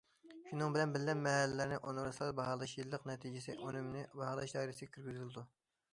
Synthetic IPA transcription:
ʃunɨŋbɪlɛnbɪlːɛmːɛhɛlːɪlɪɾnɪʔonɾɨslˠɑɾbɑhɑlˠɨʃjilˠːəqnɛt̪ʰid͡ʒɪsɪʔonymnɪbɑhɑlˠɑʃd̪ɑjɾɪsɪɡʲɛkʲʰyɾɡʲyzylɪd̪u

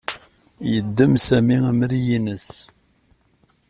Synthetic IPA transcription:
jəd̪ːəmsæmiimɾijinəs

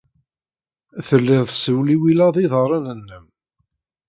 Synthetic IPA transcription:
θəlːɪðˤsəwliwilæðˤiðəɾˤɑnənːəm

